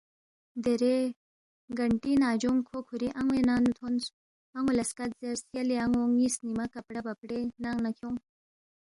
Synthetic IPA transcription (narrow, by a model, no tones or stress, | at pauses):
d̪eɾe | ɡɐɳʈinaːd͡ʒuŋkʰokʰuɾiʔaŋwenanut̪ʰons | aŋolɐskat̪̚zeɾsjɐleaŋoŋisnimakɐpɽɐbɐpɽenaŋnakʰjoŋ